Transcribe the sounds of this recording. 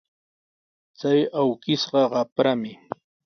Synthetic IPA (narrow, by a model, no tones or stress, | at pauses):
t͡sajawkɪsɢɑɢɑpɾamɪ